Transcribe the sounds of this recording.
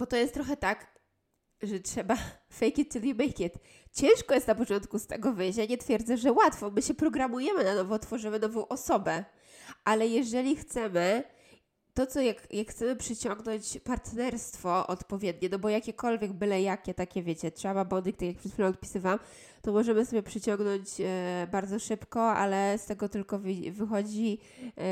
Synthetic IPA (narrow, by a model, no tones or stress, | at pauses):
b̥ɔt̪ɔjɛst̪ːɾɔxɛt̪ak | ʐɛtʂɛbafɛjkʲɛt̪̚t͡ʂɘlʲimɛjkʲɛt̪ | t͡ɕɛ̃w̃ʂkɔjɛst̪napɔt͡ʂɔnt̪kust̪ɛɡɔvɘjɕ̬t͡ɕaɲɛt̪fʲjɛɾd̪zɛʐɛwat̪fɔmɘɕɛpɾɔɡɾamujɛmɘnanɔvɔt̪fɔʐɘmɘnɔvɔ̃w̃ʔɔsɔbɛ | ʔalɛjɛʐɛlʲixt̪sɛmɘ | t̪ɔt̪sɔjakjakxt̪sɛmɘpʂɘt͡ɕɔŋɡnɔɲt͡ɕpaɾt̪nɛɾst̪fɔʔɔ̰t̪pɔvʲjɛd̪ɲɛnɔbɔjakʲɛkɔlvʲjɛɡ̚mɘlɛjakʲɛt̪akʲɛvʲjet͡ɕɛtʂɛbabɔd̪ik̚t̪akʲakpʂɛt̪fʲilɛ̃t̪̚pʲi̥sɨvawam | t̪ɔmɔʐɛmɘsɔbʲjɛpʂɘt͡ɕɔŋɡnɔɲt͡ɕbaɾd̪zɔʂɘpkɔʔa̰lɛst̪ɛɡɔt̪ɘlkɔvvɘxɔd͡ʑi